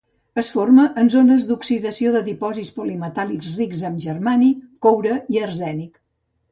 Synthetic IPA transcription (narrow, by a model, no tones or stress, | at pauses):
əsforməʔənzonəzd̪uksiðəsioðəðipɔzispulimət̪alikzrikzəmʒərmanikowɾəiərzɛnik